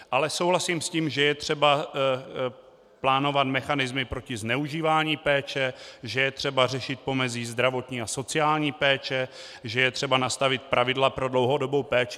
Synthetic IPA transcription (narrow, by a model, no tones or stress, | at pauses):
ʔalɛsowlasiːmsciːmʒɛjɛt̪r̝̥ɛba | plaːno̞vat̪mɛxanɪzmɪpɾo̞cɪznɛuʒiːvaːɲiːpɛːt͡ʃɛʒɛjɛt̪r̝̥ɛbar̝ɛʃɪt̪̚po̞mɛziːzd̪ɾavo̞t̪ɲiːaso̞t͡sɪaːlɲiːpɛːt͡ʃɛ | ʒɛjɛt̪r̝̥ɛbanast̪avɪt̪̚pɾʔavɪdlapɾo̞dlo̞wɦo̞do̞bowpɛːt͡ʃ